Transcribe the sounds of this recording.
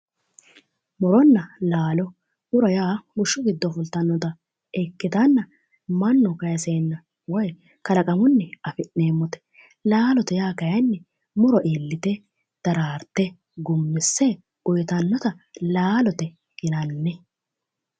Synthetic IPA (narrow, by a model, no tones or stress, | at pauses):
mʊɾɔnːɐlaːlɔ | ʊɾɐjaːɡʊʃːʊɡɪd̪ːɔfʊlt̪ɐnːɔt̪ɐ | ɛkːɪt̪ɐnːɐ | mɐnːʊkɐjɐseːnːɐ | wɔj | kɐlɐkʼɐmʊnːɛɐfɪʔneːmːɔt̪ɛ̥ | laːlɔt̪ɛjaːkɐjɐnːɛ | mʊɾɔʔiːlːɪt̪ɛ | d̪̥ɐɾaːɾt̪ːɛ | ɡʊmːɪsːɛ | ʊjt̪ɐnːɔt̪ɐlaːlɔt̪ɛ | ɡɪnɐnːɛ